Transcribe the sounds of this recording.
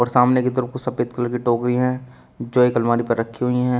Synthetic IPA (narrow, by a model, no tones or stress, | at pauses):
ɔːɾsaːmneket̪̬əɾəfkusɐpeːt̪kələɾkiʈoːkɾiɦɛ̃ | d͡ʒoːekɐlmaːɾipɐɾːɐkʰːiɦʊiɦɛ̃